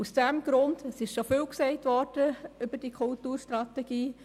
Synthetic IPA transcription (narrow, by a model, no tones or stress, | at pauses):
usd̥ɛmɡɾʊndəsɪʃʃofywksɛɪtʋɔɾd̥əʏb̥əd̥iːkʰʊltuːɾʃtɾɑtɛɡ̥iː